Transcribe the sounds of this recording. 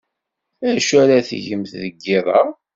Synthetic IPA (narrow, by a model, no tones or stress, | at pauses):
æʃæɾaθʝəmθðəɡːɪðˤɑ